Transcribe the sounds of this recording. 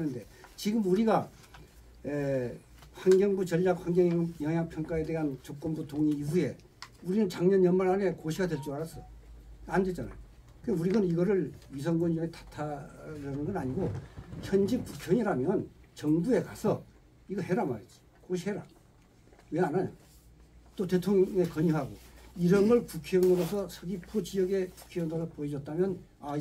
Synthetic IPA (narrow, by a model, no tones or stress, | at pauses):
nɯnde̞ | t͡ɕiɡɯmuɾiɡa | e | haŋɡjʌŋbut͡ɕʌɭːak̚haŋɡjʌŋjʌŋjaŋpʰjʌŋk͈ae̞de̞ɦant͡ɕok͈̚ʌnbutʰoŋɲiːɸuje̞ | uɾinɯnt͡ɕaŋɲʌnjʌmaɾane̞koɕʰiɡadwe̞ɭt͡ɕ͈iaɾas͈ʌjoandet͡ɕ͈ana̰jo | kɯuɾiɡʌniɡʌɾɯɭɥis̬ʰʌŋɡʌnd͡ʑʌŋetḁtʰaɾʌnɯnɡʌnaɲiɡoçjʌnd͡ʑikukʰjʌɲiɾamjʌnt͡ɕʌŋbue̞kasʰʌ | iɡʌɦe̞ɾamaɾet̚t͡ɕ͈i̥ | koɕ̬ʰiɦeɾa̰ | we̞anaja | t͈ote̞tʰoŋŋe̞kʌɲuɦaɡoiɾʌnɡʌɭkukʰeʌnɯɾosʰʌsʰʌɡipot͡ɕijʌɡe̞ku̥kʰejʌndaɾapoed͡ʑʌt̚t͈amjʌn | a